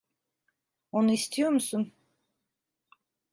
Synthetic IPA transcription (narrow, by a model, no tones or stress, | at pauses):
onuist̪ʰijoɾmusun